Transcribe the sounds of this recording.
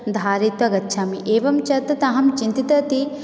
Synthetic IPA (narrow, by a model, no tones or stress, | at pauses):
d̪ʱaːɾit̪ʋɐɡɐtːʃʰaːmiʔeːʋɐmt͡ʃɐt̪ɐt̪ɐɦɐmt͡ʃint̪it̪ɐt̪i